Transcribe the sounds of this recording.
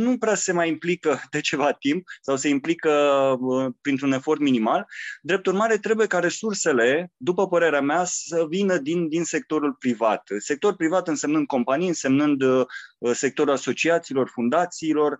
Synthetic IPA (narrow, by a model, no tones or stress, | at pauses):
nupɾease̞majimplikəd̪e̞t͡ʃe̞vat̪imp̚sawse̞implikə | pɾint̪ɾune̞fo̞rt̪minimald̪ɾe̞p̚t̪urmaɾe̞t̪ɾe̞buje̞kaɾe̞surse̞le̞d̪upəpəɾe̞ɾeameasəvinəd̪ind̪inse̞k̚t̪o̞ɾulpɾivat̪se̞k̚t̪o̞ɾupɾivat̪ɨnse̞mnɨnd̪̚ko̞mpanijɨnse̞mnɨnd̪ | se̞k̚t̪o̞ɾulaso̞t͡ʃiat̪siːlo̞rfund̪at̪siːlo̞r